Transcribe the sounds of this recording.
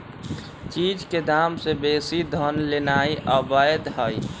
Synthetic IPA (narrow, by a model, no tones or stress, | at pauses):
t͡ʃiːd͡ʒked̪aːmsebeːsid̪ʱənlenaːiʔɔbajəd̪ɦəi